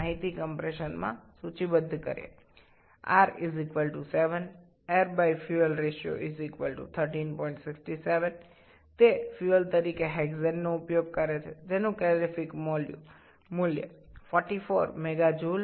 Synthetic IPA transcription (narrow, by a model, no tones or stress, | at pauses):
aɦit̪ikəmpɾeʃənmã̰sut͡ʃibəd̪ʱːkə̰ɾḛ | a̰ɾizikʋəlʈuseʋən | eɾbaifʰjuəlɾeʃjo̰ʔizikʋəlʈṵt̪ʰəɾʈinpɔiɳʈsɪksʈiseʋən | t̪efjuəlt̪əɾikeɦɛɡzenːoʊpjoɡ̚kəɾet͡ʃʰed͡ʒenũklɛlifikmoljṵ̃ | mʊljə̰fɔɾʈifoɾmɛɡad͡ʒul